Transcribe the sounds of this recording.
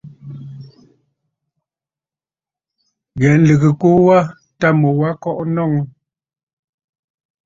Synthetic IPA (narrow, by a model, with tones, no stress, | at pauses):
ɣɛ˨n̩˦lɨ˨ɣə˨ku˦wa˦ | ta˦mo˨wa˦kɔ˦ʔnɔ˦˨ŋ